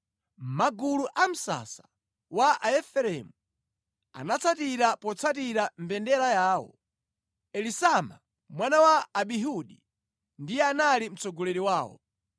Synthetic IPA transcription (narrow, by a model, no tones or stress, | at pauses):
m̩maɡuluʔam̩sa̰sḁ | waʔaɛfɛɾɛmu | a̰nat͡sʰatiɾapɔt͡sʰatiɾambɛndɛɾajaːwɔ̰ | ɛlisama̰ | mwanawaːɓiɦuɗi | ndijɛanalim̩t͡sɔɡɔlɛɾiwaːwɔ̰